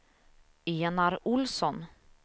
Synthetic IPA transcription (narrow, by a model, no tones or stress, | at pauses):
eːnaɾʊlsɔn